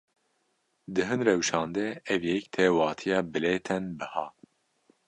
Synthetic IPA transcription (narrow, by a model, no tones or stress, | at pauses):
d̪ɨɦɨnrɛwʃɑːnd̪ɛɛvjɛkt̪ʰɛːwɑːt̪ʰijɑːbɨleːt̪ʰɛnbɨhɑː